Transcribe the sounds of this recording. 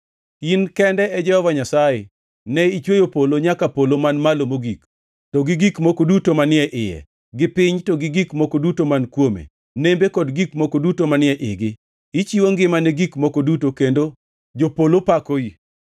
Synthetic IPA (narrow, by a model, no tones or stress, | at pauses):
inkɛndɛɛd͡ʒɛhɔvaɲasaje | nɛit͡ʃwejopoloɲakapolomanmalomoɡik | tɔɡɪɡikmokodutomanɪɛʔɪjɛ̰ | ɡɪpɪɲtɔɡɪɡikmokodutomankwomḛ | nembekɔdɡikmokodutomanɪɛʔɪɡɪ | it͡ʃiwoŋɡɪmanɛɡikmokodutokendo | d͡ʒopolopakoi